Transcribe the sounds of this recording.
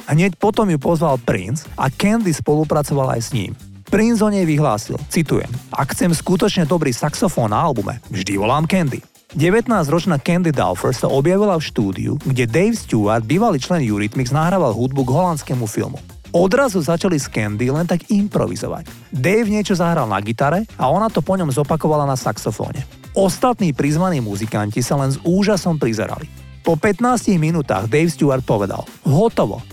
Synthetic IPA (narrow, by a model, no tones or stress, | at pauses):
ɦɲɛcpɔt̪ɔmjupɔzʋalpɾḭnsʔa̰kɛnd̪ispɔlupɾat͡sɔʋala̰jsɲḭːm | pɾinzɔɲɛjʋiɦla̰ːsḭlt͡sit̪ujɛ̰mʔa̰kxt͡sɛmskut̪ɔt͡ʃɲɛd̪ɔbɾiːsaksɔfɔːnːaalbumɛ̰vʒd̪iʋɔlaːmkɛnd̪ḭ | ɟɛʋɛt̪naːzɾɔt͡ʃnakɛnd̪id̪ɛ̰lfɔɾsa̰ʔɔbjaʋilafʃt̪uːd̪ḭṵɡɟɛd̪ɛjfsc̪uʋaɾd̪̚biːʋaliːt͡ʃlɛnjuɾit̪miɡznaɦɾaʋalɦud̪̚buɡɦɔlant̪t͡skɛmufḭlmṵ | ɔd̪ɾazuzat͡ʃaliskɛnd̪ilɛnt̪aɡimpɾɔ̰ʋḭzɔ̰ʋa̰c | d̪ɛjfɲɪɛt͡ʃɔzaɦɾalˠna̰ɡit̪aɾɛaɔnat̪ɔpɔɲɔmzɔpakɔʋalanasa̰ksɔfɔ̰ːɲɛ̰ | ɔst̪at̪niːpɾizʋaniːmuzikancisalɛnzuːʒasɔmpɾizɛ̰ɾa̰li | pɔpɛt̪naːsciɣminuːt̪a̰ːɣd̪ɛjfst̪uaɾt̪̚pɔʋɛd̪a̰l | ɦɔt̪ɔʋɔ̰